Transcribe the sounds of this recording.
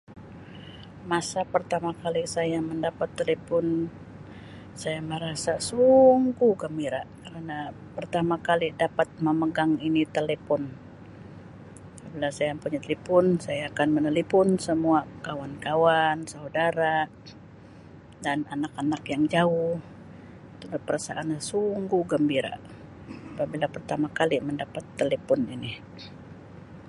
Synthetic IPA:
masapərt̪amakalisajaməndapat̪ːelepɔn | sajaməɾasasuŋɡuɡəmiɾaʔkəɾana | pərt̪amakalidapat̪̚məməɡaŋinit̪elepɔn | abilasajampuɲat̪elepʊnsajaːkanmənəlipʊnsəmuakawankawansaudaɾa | dananakanakjaŋd͡ʒaʊh | it̪ulapəɾasa̰ʔanasuŋɡuɡəmbiɾa̰ | apabilapərt̪amakaliməndapat̪ːelepɔnini

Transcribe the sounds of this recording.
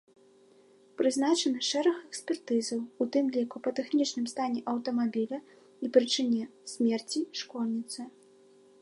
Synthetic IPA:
pɾɨznat͡ʂɐnɨʂɛɾɐxɛksʲpʲɛrt̪ɨzɐwut̪ɨmlʲikupɐt̪ɛxnʲit͡ʂnɨmst̪anʲɛʔɐwt̪ɐmabʲilʲɐ | ipɾɨt͡ʂɨnʲɛsʲmʲɛrt͡sʲiʂkɔlʲnʲit̪sɨ

